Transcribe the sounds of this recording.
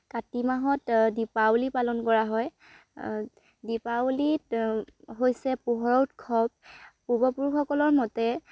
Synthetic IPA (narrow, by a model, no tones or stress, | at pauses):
katimaɦɔtdipawlipalɔnkɔɹaɦɔj | dipalitɦojsɛpuɦɔɹɔwtkʰɔp̚ː | uɹbɔpuɹuxɔkɔlɔɹmɔtɛ